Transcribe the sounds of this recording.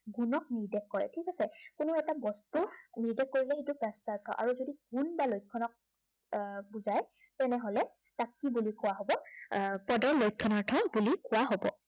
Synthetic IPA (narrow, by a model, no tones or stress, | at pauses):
ɡunɔk̚niɹdɛkːɔɹɛ̰tʰikasɛkʊnʊɛtabɔstuniɹdɛkːoɹilɛɦitupɛsaɹtʰɔ̰ʔa̰ɹuzodiɡ̥unbalojkʰːɔnɔk̚ | buzaj | tɛnɛɦolɛ | takːibulikʊwaɦobɔpɔdɔɹlojkʰːɔnaɹtʰɔbulikʊwaɦobɔ̰